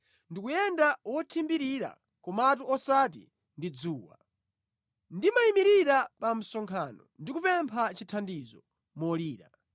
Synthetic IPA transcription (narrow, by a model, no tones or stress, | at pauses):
ndikujɛndawɔtʰimbiɾiɾa̰ | kɔmaat̬uʔɔsaːt̬ḭ | ndid͡zuːwa̰ | ndimaimiɾiɾapam̩sɔŋkʰaːnɔndikupɛmpʰat͡ʃitʰandizɔ | mɔliːɾa̰